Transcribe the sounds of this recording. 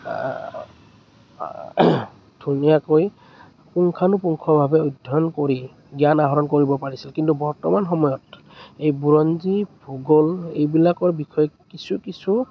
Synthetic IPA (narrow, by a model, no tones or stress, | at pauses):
d̥ʱunijakoj | puŋkʰanʊpuŋkʰɔbʱabɛodʱɔnkoɹi | ɡjanaɦɔɹɔnkoɹibɔpaɹisilkintubɔɹtɔmanxɔmɔjɔt | ejbuɹɔnzibʱuɡɔlḛjbilakɔɹbikʰɔjɔkisʰukisʰu